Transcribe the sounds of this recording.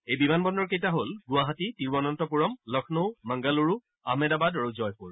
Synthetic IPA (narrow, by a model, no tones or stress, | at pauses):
ejbimanbɔndɔɹkejtaɦolɡʊwaɦatitiɹbɔnɔntɔpuɹɔmlɔkʰnowmaŋɡaluɹu | a̰ɦmɛdabadɹozɔjpuɹ